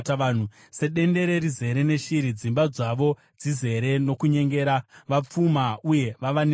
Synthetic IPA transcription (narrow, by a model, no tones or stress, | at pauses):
taːn̤u | se̞ɗe̞nde̞ɾe̞ɾize̞ɾe̞ne̞ʃiɾid͡zimbad͡zaʋo̞ | d͡zize̞ɾe̞no̞kuɲe̞ŋɡe̞ːɾaʋap͡fumauje̞ʋaʋan